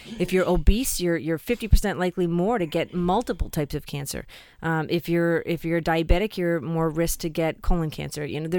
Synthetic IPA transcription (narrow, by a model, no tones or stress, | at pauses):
ɨfjə˞ʔoʊbisjə˞jə˞fɪftipʰə˞sɛ̃nʔlaɪklimɔɹɾɨɡɛt̚mʌlˠtəpl̩ˠtʰaɪpsʌv̥kʰæ̃nsə̰˞ | ʔʔɪfjə˞ɪfjə˞daɪɨbɛɾɨkʰjə˞mɔɹɹɪsk̚tʰɨɡɛt̚kʰoʊlˠə̃nkʰæ̰̃nsə˞jɨ̰noʊðə